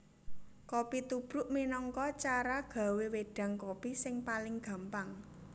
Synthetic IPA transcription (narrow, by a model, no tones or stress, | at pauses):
kopit̪ub̥ɾʊ̤ʔminɔŋkɔt͡ʃaɾaɡ̥ä̤weweɖ̥ä̤ŋkopisɪŋpalɪŋɡ̥a̤mpaŋ